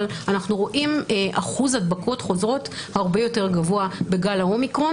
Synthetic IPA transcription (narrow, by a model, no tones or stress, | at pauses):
lanaχnuʁo̞ʔimʔaχuzadbako̞tχo̞zʁo̞thaːʁbejo̞te̞ʁɡavoabe̞ɡalao̞mikʁo